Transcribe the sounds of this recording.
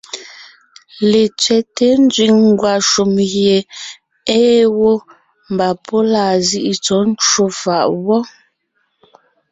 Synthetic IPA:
le˨t͡sɥɛ˨te˨˦n˦d͡zɥi˨ŋŋ˦ɡwa˨ʃu˨mɣje˨ | eː˦wo˦ | m̩˨ba˨pʰo˦laː˨zi˦ʔi˨t͡sɔ˨˦n̩˦t͡ʃwo˦fa˨ʔwɔ˦

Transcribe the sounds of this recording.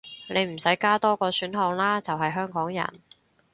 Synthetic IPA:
ne˨˧jm̩˨˩sɐ˨˥jkaː˥t̪ɔː˥kɔː˧syː˨˥nɦɔː˧ŋlaː˥t͡sɐ˨wɦɐ˨jɦœː˥ŋkɔː˨˥ŋjɐ̰˨˩n

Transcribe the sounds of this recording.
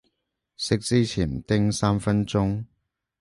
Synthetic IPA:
sɪ˥k̚t͡siː˥t͡sʰiː˨˩nt̪ɪ˥ŋsaː˥mfɐ˥nt͡sʊ˥ŋ

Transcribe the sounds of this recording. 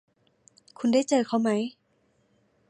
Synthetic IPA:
kʰu˧nda˥˩jt͡ɕɤː˧kʰa˥˩wma˦˥j

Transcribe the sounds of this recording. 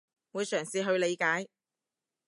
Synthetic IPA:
wuː˨˧jsœː˨˩ŋsiː˨˧ɦɵ˧ɥle˨˧jkaː˨˥j

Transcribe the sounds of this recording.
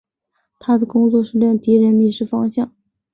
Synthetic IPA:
t̪ʰa˥d̪ə˨kʊ˥ŋt͡swɔ˥˧ʂɻ̩˥˧ljɑ˥˩ŋt̪i˧˥ɻə˧˥nmi˧˩ʂɻ̩˥˩fɑ˥ŋɕjɑ˥˩ŋ

